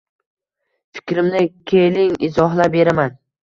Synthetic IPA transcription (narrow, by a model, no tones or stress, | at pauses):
fɪ̥kʲɾɪmnɪkʲʰelɪŋɪzɒɦlabe̞ɾaman